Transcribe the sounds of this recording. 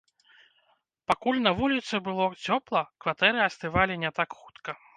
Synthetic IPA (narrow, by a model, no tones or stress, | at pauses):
pakulʲnɐvulʲit̪sɨbɨlˠɔt͡sʲɔplˠɐkvat̪ɛɾɨasʲt̪ɨvalʲinʲɛt̪akxu̥t̪kɐ